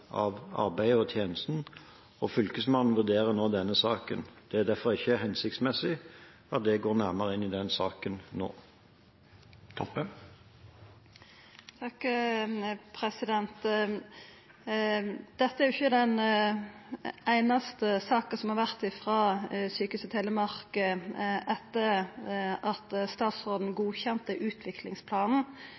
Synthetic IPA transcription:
ɑ̰ʋɑ̰ɾbæɪɔt̪ʰjeːnəst̪n̩ | ɔfʏlkəsmɑnn̩ʋʉʁd̪eːʁənoːd̪ɛnːəsɑːkənd̪̥ɛæʁd̪æfɔɾɪçːəɦɛnsɪk̚t̪smɛsɪ | ɑt̪̚d̪ɛɡoːɾnæʁməʁəɪnːɪd̪ɛnsɑːkənno̰ː | t̪ʰɔpːə | t̪ʰɑk | pʰɾɛsɪd̪ɛnt̪ | d̪̥ɛt̪ːəæɾjʊɪçːəd̪ɛn | æɪnɑst̪əsɑːkəsɔmhɑɾʋæʁt̪ɪfʁɑːsyːkʉsət̪ʰeːlːəmɑʁkəɛt̪ːəɾ | ɑt̪st̪ɑːt̪sʁoːd̪n̩ɡuːçɛnt̪əʔʉːt̪ʰʋɪklɪŋspʰlɑːnn̩

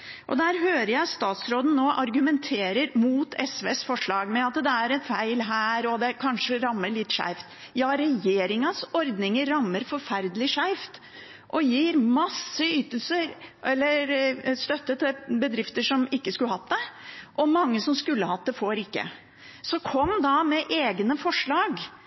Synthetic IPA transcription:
ʔɔd̪æːɾɦøːɾəjæɪst̪ɑːt̪sɾoːd̪n̩noːʔɑɾɡʉmɛnt̪ʰeːɾəɾmuːt̪ʰɛsʋeːsfɔʂɭɑːɡmɛɑt̪d̪ɛæɾɛnfæɪlɦæːɾɔd̪ɛkʰɑnʂəɾɑmːəɭɪt̪ːʂæ̰ɪft̪ | jɑːɾɛjeːɾɪŋɑsɔɾd̪nɪŋəɾːɑmːəɾfɔɾfæɾd̪əlɪʂæɪft̪ | ʔɔjiːɾmɑsːəyːt̪əl̩səɾʔɛlːəɾst̪œt̪ːət̪ʰɪlbəd̪ɾɪft̪əʂɔmɪkːəskʉlːəhɑt̪d̪ɛʔɔmɑŋːəsɔmskʉlːəhɑt̪̚d̪ɛfoɾɪkːə̰ | sɔkʰɔmːd̪ɑmɛʔeːɡnəfɔʂɭɑːɡ

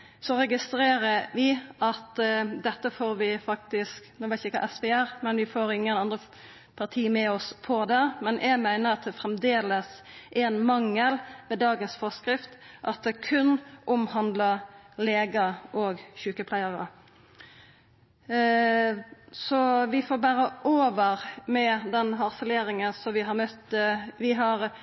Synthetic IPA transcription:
sɔɾɛɡɪst̪ɾeːɾəɾʋɪɑt̪d̪ɛt̪ːəfoːɾʋɪfɑk̚t̪ɪsknuːʋæɪt̪ɪçɪkʰɑ̰ʔɛspɛæʁmɛnʋɪfoːɾɪŋːənɑnd̪ɾə | pʰɑʁt̪ʰiːmɛɔspʰɔd̪ɛmɛnʔæɡmæɪnəɾɑt̪̚d̪ɛfɾɛmd̪eːləs | ʔɛnmɑŋːəlmɛːd̪ɑːɡənsfɔskɾɪft̪ʔɑt̪̚d̪ɛkʰʉnːʔʊmhɑnd̪ləleːɡəʔoːɡçʉːkəpʰlæɪəɾə̰ | sɔʋɪfoːɾbæːɾəʔoːʋəʁmɛd̪ɛnɦɑʁsəleːɾɪŋənsɔmʋɪɦɑɾmœt̪ːəʋɪɦɑɾ

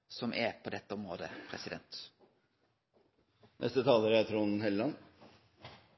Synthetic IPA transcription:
sɔmʔɛpʰoːd̪ɛt̪ːəɔmɾoːd̪əpʰɾɛ̰sɪd̪ɛ̰nt̪ | nʔɛ̰st̪ət̪ʰɑːləɾæt̪ʰɾuːnhɛllɑn

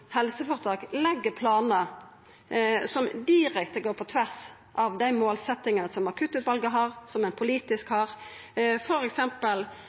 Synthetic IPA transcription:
hɛlsəfɔʁt̪ʰɑːklɛɡːəpʰlɑːnə | sɔmd̪ɪʁɛkt̪əɡoːʁpʰɔt̪ʰʋæʁs | ʔɑʋd̪æɪmoːlsɛt̪ːɪŋənəsɔmɑkʰʉt̪ʉːt̪ʋɑlɡəɦɑːʁsɔmɛnpʰʊliːt̪ɪskhɑːʁ | fɔɾɛksɛmpəl

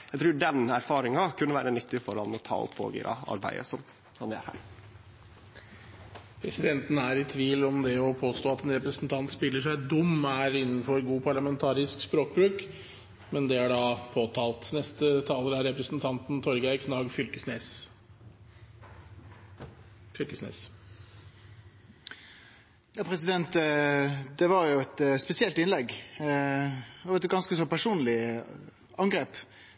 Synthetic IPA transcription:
jæɪt̪ʰɾʉːɖɛnæɾfɑːɾɪŋɑkʰʉnːəʋæːɾənʏt̪ːɪfɔɾɑnɔt̪ʰɑ̰ːɔ̰pʰːo̰ːɡḭːɾɑ̰ɑ̰ɾbæ̰ɪə̰sɔm | sɔmd̪ɛæ̰ɾhæ̰ːɾ | pʰɾɛsɪd̪ɛnt̪nəæɾɪt̪ʰʋiːlɔmd̪ɛɔpʰoːst̪oːɑt̪ɛnɾɛpɾəsn̩t̪ʰɑnt̪spɪlːəʂæɪd̪ʊmːæɾɪnːnfɔɾɡuːpʰɑɭɑmɛnt̪ʰɑːɾɪskspɾoːk̚bɾʉːk | mɛnd̪ɛæɖɑːpʰoːt̪ʰɑːlˠt̪nɛst̪ət̪ʰɑːləɾæɾɛpɾəsnt̪ʰɑnt̪n̩t̪ʰɔɾɡæɪkʰnɑːɡfʏlkəsneːs | fʏlkəsnḛːs | jɑːpʰɾɛsɪd̪ɛnt̪ | d̪ɛʋɑɾjʊɛt̪spɛsɪɛlt̪ɪnlɛɡ | ʋɛɪt̪ɡɑnskəsɔpʰæʂuːnlɪ | ɑŋɡɾeːp

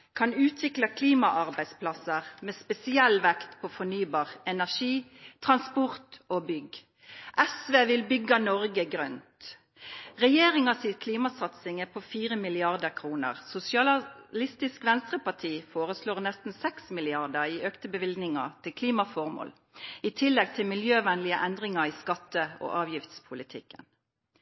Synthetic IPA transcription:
kʰɑnʉːt̪ʰʋɪklɑkʰliːmɑʔɑʁbæɪd̪spʰlɑsəʁmɛːspɛsɪɛlʋɛkt̪pʰoːfɔnyːbɑːʁɛnæʁʂiːt̪ʰʁɑnspɔʁt̪oːbʏɡ | ʔɛsʋeːʋɪlbʏɡɑnɔɾɡəɡʁœnt̪ | ʁɛjeːʁɪŋɑsɪkʰliːmɑsɑt̪sɪŋæpʰɔfiːʁəmɪlɪɑʁd̪əʁkʰʁuːnə̰ʁsʊsɪɑlɪst̪ɪskʋɛnst̪ʁəpɑʈ̪ʰiːfoːʁəsloːʁnɛst̪n̩sɛksmɪlɪɑʁd̪əʁiːøːkt̪əbəʋɪld̪nɪŋɑt̪ʰɪlkʰliːmɑfɔʁmo̰ːl | it̪ʰɪlːɛɡ̚t̪ʰɪlmɪljøːʋɛnlɪəʔɛnd̪ʁɪŋɑiːskɑt̪ːəo̰ːʔɑːʋjɪft̪spʰʊlɪt̪ʰɪkːə̰n

